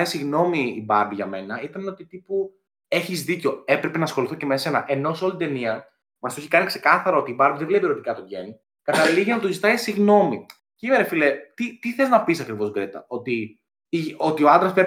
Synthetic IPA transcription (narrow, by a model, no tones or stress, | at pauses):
isiɣno̞miːbɐɾbiʝɐme̞nɐit̪ɐneo̞t̪it̪ipu | e̞çizðico̞e̞pɾepe̞nɐːsxo̞liθocemese̞nɐʔeno̞solit̪it̪e̞niɐ | mɐsoeçikɐnikse̞kɐθɐɾɐo̞t̪iːbɐɾbiðevlepiɾot̪ikɐt̪o̞ɟḛni | kɐt̪ɐliɣenɐt̪ozit̪ɐisiɣno̞mi | cimeɾefilet̪it̪iθeznɐpisɐkɾivo̞zɡɾet̪ɐ̰o̞t̪i | iot̪ioɐnd̪ɾɐspɾe